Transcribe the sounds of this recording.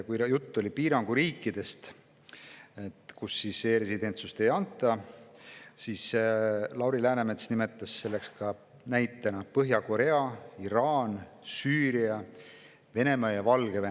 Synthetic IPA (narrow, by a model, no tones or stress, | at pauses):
kujut̪ˑːo̞lʲipiːɾɑŋɡ̥uɾiːkːˑid̪e̞st̪ | et̪kusːisːeːɾe̞sid̪e̞nt̪sust̪e̞jɑnt̪ːˑɑ | sislɑwɾilæːnemet̪snime̞t̪ːˑɑsːe̞lːe̞kskɑ | næjt̪ːˑenɑpɤɦjɑko̞ɾe̞ɑiɾɑːn | syːɾiɑ | ve̞ne̞mɑjɑvɑlɡ̥eve